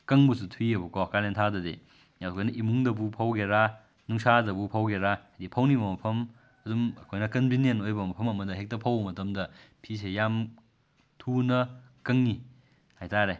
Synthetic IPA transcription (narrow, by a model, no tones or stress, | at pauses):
kɐŋbusutʰwiɐbukowkalentʰadɐdḛ | jawkʰojnɐʔimuŋdɐbupʰawɡeɾa | nuŋsadɐbupʰawɡeɾajdipʰɐwnibɐmɐpʰɐm | ɐdumɐkʰojnɐkɐnbʱinjenojbɐmɐpʰɐmɐmɐdɐɦek̚tɐpʰawmɐtɐmdɐpʰis̬ejam | tʰunɐkɐŋːi | hajtaɾe